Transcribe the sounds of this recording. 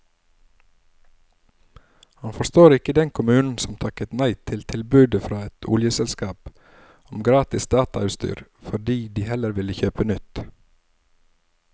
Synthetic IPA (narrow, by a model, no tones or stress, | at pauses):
hɑnfɔst̪oːɾɪkəd̪ɛnkʰʊmʉːnn̩sɔmt̪ʰɑkət̪næɪt̪ʰɪlt̪ʰɪlbʉːd̪əfɾɑːɛt̪ʰʊ̰ljəsɛlskɑːp | ɔmɡɾɑːt̪ɪsd̪ɑːt̪ɑʉst̪y̰ːɾfɔɖiːd̪iːhɛləɾʋɪləçøːpənʏt̪